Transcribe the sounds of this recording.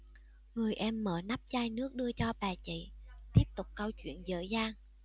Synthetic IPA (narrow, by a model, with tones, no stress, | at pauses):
ŋɨ˨˩əjʔɛ˧mːəː˧˨˩na˦˥p̚zaː˧jnɨ˦˥ək̚ɗɨ˧ət͡ɕɔ˧ɓaː˨˩t͡ɕḭ˧˨t̪i˦˥əp̚t̪ʊ˨˩k͡p̚kə˧wt͡ɕwḭ˧˨ənzə̰ː˧˨˦jzaː˧ŋ